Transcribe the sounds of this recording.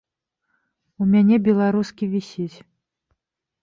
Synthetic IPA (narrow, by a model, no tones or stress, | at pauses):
umʲanʲɛbʲɛlˠaɾuskʲivʲisʲit͡sʲ